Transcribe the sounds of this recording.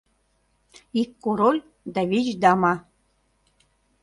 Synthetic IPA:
ikːoɾolʲ | d̪ɑβʲit͡ɕd̪ɑmɑ

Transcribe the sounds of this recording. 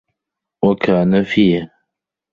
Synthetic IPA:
wakʰaːnafiːa

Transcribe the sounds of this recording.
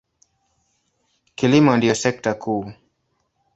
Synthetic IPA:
kilimɔndijɔsɛk̚takʰuː

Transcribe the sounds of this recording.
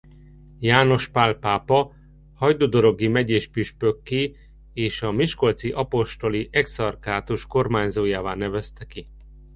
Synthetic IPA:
jaːno̞ʃpaːlpaːpɒ | hɒjd̪oːd̪o̞ɾo̞ɡimɛɟeːʃpyʃpøkːeː | eːʃɒmiʃko̞lt̪siʔɒpo̞ʃt̪o̞liʔɛksɒrkaːt̪uʃko̞rmaːɲzoːjaːvaːnɛvɛst̪ɛki

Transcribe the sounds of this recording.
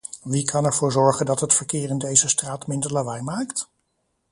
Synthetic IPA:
ʋikʰɑnɛɹv̥ʊːɹzɔɹχəndɑtɦətfəɹkɪːrɪndejzəstraːtmɪndəɹlaʋɛjmaːkt

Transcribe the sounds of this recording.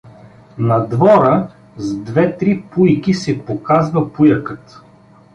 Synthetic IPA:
nɐd̪vɔɾə | zd̪vɛt̪ɾipujkisɛpokazvɐpujəkət̪

